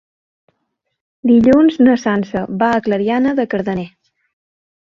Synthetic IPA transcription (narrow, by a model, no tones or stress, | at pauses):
d̪iʎunznəsansəβaəkləɾianəðəkəɾðəne